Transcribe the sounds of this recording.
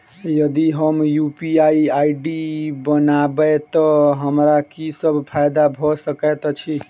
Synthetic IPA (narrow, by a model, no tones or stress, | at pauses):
jəd̪iɦəmjupiaiaiɖibənabət̪ɔɦəmɾakisəbʱpʰajd̪abʱɔsəkət̪t͡ʃʰi